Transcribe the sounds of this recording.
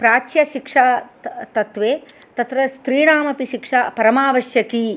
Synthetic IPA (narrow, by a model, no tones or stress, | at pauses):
pɾaːt͡ʃjɐʃikʂat̪ɐt̪ʋeː | t̪ɐt̪ɾɐst̪ɾiːɽaːmɐpiʃikʂapɐɾɐmaːʋɐʃjɐki